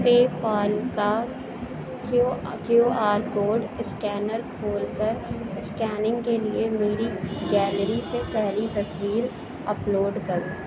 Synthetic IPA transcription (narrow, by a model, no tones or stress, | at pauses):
peːpaːlka | koaːɾkoːɾɖɪskɛːnəɾkʰoːlkəɾɪskɛːnɪ̃ŋɡkeliemeːɾiɡɛːlɾisepɛɦlit̪ɐswiːɾ | ɐploːɖkɐɾuː